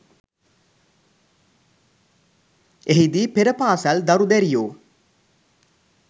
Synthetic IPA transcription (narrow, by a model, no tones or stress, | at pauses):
eɦid̪iːpeɾəpaːsald̪aɾud̪ɛɾijoː